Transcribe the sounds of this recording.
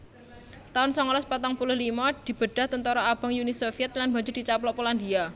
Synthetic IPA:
t̪aʊnsɔŋɔlɔspat̪ɔŋpulʊhlimɔd̪̥i̤b̥ə̤ɖ̥a̤ht̪ənt̪ɔɾɔab̥ə̤ŋjunisofiɛt̪̚lanba̤ɲd͡ʒʊrd̪̥i̤t͡ʃaplɔʔpoland̪ia

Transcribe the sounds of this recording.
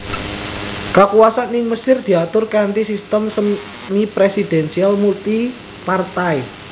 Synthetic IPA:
kakuwasanːɪŋməsɪrd̪̥i̤at̪ʊrkant̪isist̪əmsəm | mipɾesid̪̥ɛ̤nsialmult̪i | part̪ai

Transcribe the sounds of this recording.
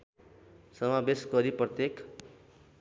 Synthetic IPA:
sʌmabesɡʌɾiprʌt̪jek

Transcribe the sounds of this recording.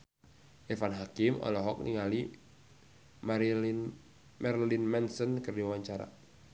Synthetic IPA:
ʔɛfanɦakimɔ̰lɔɦɔk̚nḭŋali | ma | mɛrlinmɛnsənkɨrdiawaɲt͡ʃaɾa̰

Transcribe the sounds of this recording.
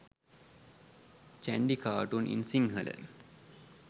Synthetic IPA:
t͡ʃæɳɖikaːʈunʔḭnsiŋɦɐlə̰

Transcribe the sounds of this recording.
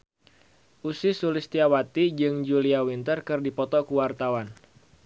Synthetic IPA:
ʔusisulist̪iawat̪id͡ʒɨŋd͡ʒuliawint̪ərkɨrdipɔt̪ɔkuwart̪awan

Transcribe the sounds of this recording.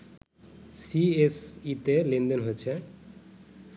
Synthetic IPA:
siesit̪elend̪enɦojet͡ɕʰe

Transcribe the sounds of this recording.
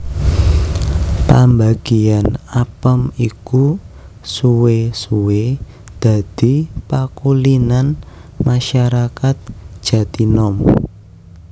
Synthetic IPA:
pambaɡ̥ianapəmiku | suwesuwe | d̪̥ä̤d̪̥i̤pakulinanmaʃaɾakat̪̚ʒ̥a̤t̪inɔm

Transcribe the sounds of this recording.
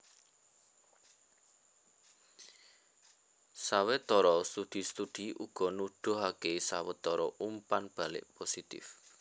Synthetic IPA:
sawet̪ɔɾɔst̪uɖ̪̥i̤st̪uɖ̪̥i̤uɡ̥ɔ̤nuɖ̥ʊ̤ɦakesawɛt̪ɔɾɔumpanb̥a̤lɪ̰ʔposit̪ɪ̰f

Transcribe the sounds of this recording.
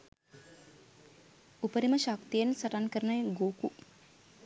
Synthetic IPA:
upəɾiməʃakt̪ijensɐʈankəɾənajɡoːku

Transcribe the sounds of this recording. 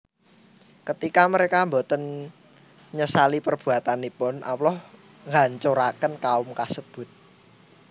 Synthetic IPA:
kət̪ikaməɾekambo̤t̪ən | ɲəsalipərb̥ṳat̪anipʊnʔa̰wlɔh | ŋɡaɲt͡ʃoɾakənkaʊmkasəb̥ʊ̤t̪̚

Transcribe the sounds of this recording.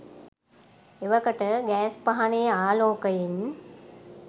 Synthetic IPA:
eʋəkəʈəɡɛːspaɦaneːaːloːkəjin

